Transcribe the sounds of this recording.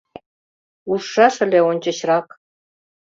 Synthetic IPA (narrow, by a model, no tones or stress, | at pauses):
uʂːɑʂɘ̆lʲeonʲt͡ɕɤ̆ɕrɑk